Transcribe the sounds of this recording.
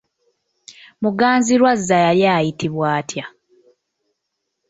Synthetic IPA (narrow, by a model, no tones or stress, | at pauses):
muɡaːnziɾwazːajaljaːjitiβwaːtʰja